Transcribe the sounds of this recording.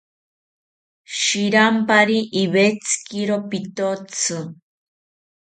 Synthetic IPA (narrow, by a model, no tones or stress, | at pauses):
ʃiɾampaɾiʔːβet͡sʰɨ̥kiɾopit̪ot͡sʰɨ